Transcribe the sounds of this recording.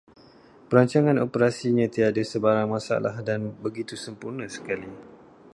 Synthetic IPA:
pəɾaɲt͡ʃaŋãnopəɾasiɲãt̪iadasəbaɾaŋmãsa̰lahdanbəɡit̪usəmpurnasə̥kali

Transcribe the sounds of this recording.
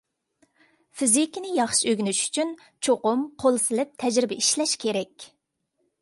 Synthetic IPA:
fizikʲinɪjɑχʃiøɡʲnyʃy̥t͡ʃʰyn | t͡ʃʰoqʊmqʰolˠɨsɨlˠɪp̚t̪ʰɛd͡ʒɾɪbɛiʃlɛʃkʲʰeɾɛkʲ

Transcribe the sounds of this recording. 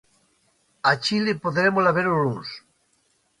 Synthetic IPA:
at͡ʃilepoðɾemolaβeɾoluns

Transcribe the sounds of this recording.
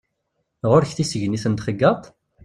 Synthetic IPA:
ʁʊɾçθisəʝniθənt̪χəɡːɑt̪ˤ

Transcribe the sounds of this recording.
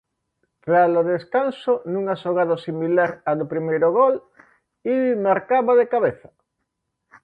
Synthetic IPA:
pɾaloðeskansonũŋaʃoɣaðosimilaɾaðopɾimejɾoɣol | imaɾkaβaðekaβ̞eθa

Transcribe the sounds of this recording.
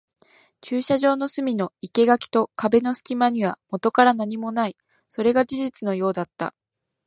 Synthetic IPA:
t͡ɕɨːɕaʑo̞ːno̞sɨmʲino̞ike̞ɡakʲi̥t̪o̞kabe̞no̞sɨ̥kʲimaɲ̟iβ̞amo̞t̪o̞kaɾanaɲ̟imo̞nai | so̞ɾe̞ɡad͡ʑiʑit͡sɨno̞jo̞ːd̪at̪ːa̰

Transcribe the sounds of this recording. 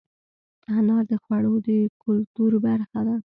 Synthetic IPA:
anɑd̪əxwaɽod̪əkʊlt̪uɾbaɾxad̪a

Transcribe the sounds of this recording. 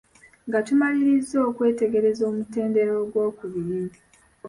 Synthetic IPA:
ŋɡatumaliɾizːo̞ːkwe̞ːte̞ɡe̞ɾe̞zo̞ːmute̞ːnde̞ɾo̞ːɡwoːkuβiɾii

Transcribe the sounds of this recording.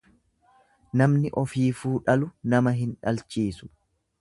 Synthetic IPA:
nɐmnɪʔɔfiːfuːᶑɐlʊnɐmɐɦɪnᶑɐlt͡ʃiːsʊ̥

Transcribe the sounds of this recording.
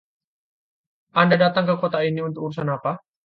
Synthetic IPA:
ʔandadat̪aŋkəkot̪ainiunt̪ʊkuɾusanapa

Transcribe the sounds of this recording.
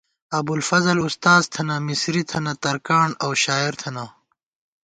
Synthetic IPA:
ɐbulfɐzɐlust̪aːzt̪ʰɐnamisɾit̪ʰɐnɐt̪ɐɾkaːɳɐwɕaːiɾt̪ʰɐna

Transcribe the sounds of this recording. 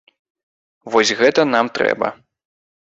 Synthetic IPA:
vɔsʲɣɛt̪ɐn̪amt̪ɾɛ̰bɐ̰

